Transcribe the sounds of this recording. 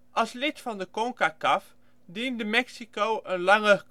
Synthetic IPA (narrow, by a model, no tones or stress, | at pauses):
ʔɑlˠslɪtfɑndəkoŋkakɑf | dindəmɛksikowʔənlɑŋə